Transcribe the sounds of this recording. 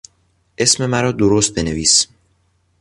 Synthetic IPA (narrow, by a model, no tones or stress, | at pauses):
ʔe̞sme̞mæɾɒːd̪oɾost̪̚be̞neviːs